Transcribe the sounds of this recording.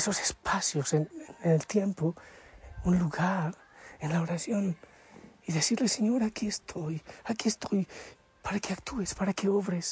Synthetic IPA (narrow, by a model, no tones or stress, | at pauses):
esose̞spasjo̞senenenelt̪je̞mpo | unluɣaɾ | enlaoɾasjo̞n | iðe̞siɾleseɲo̞ɾakiest̪ʰo̞jakiest̪oj | paɾakeakt̪ʰue̞spaɾakeoβɾes